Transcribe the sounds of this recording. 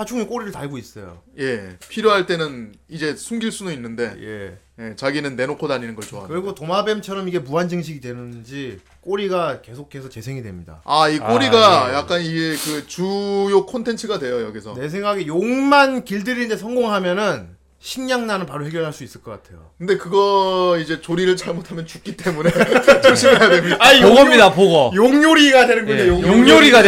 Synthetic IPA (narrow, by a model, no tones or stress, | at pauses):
at͡ɕʰuŋik͈oɾiɾɯɭtaɭɡois͈ʌjo̰je̞pʰiɾjoɦaɭt͈e̞nɯnid͡ʑe̞sʰuŋɡiɭs͈udoinːɯnde̞je̞̰ | je̞t͡ɕaɡinɯnːe̞nokʰodaɲinɯnɡʌɭt͡ɕoakɯɾiɡotomabe̞mt͡ɕʰʌɾʌmiɡe̞muɦand͡ʑɯŋɕ̬ʰiɡidwe̞nɯnd͡ʑi | k͈oɾiɡake̞sʰokʰe̞sʰʌt͡ɕe̞sʰe̞ŋidwe̞̰mɲida̰aik͈oɾiɡajak̚k͈aniɡe̞kɯt͡ɕujokʰontʰe̞nt͡ɕʰɯɡadwe̞jojo̰ɡisʰʌne̞sʰe̞ŋɡaɡejoŋmankiɭdɯɾinndesʰʌŋɡoŋɦamjʌnɯn | ɕʰiŋɲaŋnanɯnpaɾohe̞ɡjʌɭɦaɭs͈uis͈ɯɭk͈ʌk͈atʰe̞̰jo̰kʰɯnde̞kɯɡʌid͡ʑe̞t͡ɕoɾiɾɯɭt͡ɕaɭmotʰamjʌnt͡ɕuk͈it͈e̞munet͡ɕot͡ɕʰikʰejadwemaioɡʌmɲidapoɡʌjoŋɲoɾiɡadwe̞nɯnɡʌejojoŋɲoɾiɡa